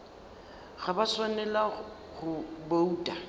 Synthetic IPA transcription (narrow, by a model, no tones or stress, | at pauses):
ɣabaswanɛla | ɣʊboutʼa